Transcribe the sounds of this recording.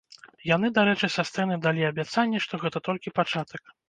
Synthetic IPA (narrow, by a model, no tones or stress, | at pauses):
jan̪ɨd̪aɾɛt͡ʂɨsʲast̪ɛnɨd̪alʲiɐbʲat̪sanʲːɛʂt̪ɔɣɛt̪ɐt̪ɔlʲkʲipat͡ʂat̪ɐk̚